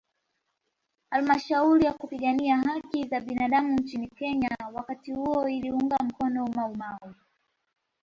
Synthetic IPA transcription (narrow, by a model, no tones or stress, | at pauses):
halmaʃauɾijakupiɠaniahakizaɓinaɗamunt͡ʃinikɛɲawakatihuɔiliuŋɡam̩kɔnɔmaumawɔ